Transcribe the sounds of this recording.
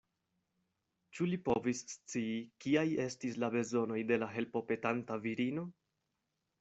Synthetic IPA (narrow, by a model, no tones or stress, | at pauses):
t͡ʃulipo̞visːt͡siːkiaje̞stislabe̞zo̞no̞jde̞laɦe̞lpo̞pe̞tantaviɾino̞